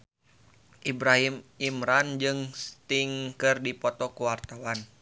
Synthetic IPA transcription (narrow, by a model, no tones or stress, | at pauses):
ʔibɾaɦimimɾand͡ʒɨŋst̪iŋkɨrdipɔt̪ɔkuwart̪awan